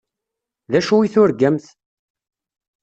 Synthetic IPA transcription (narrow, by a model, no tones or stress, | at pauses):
ðæʃuwiθʊɾɡæmθ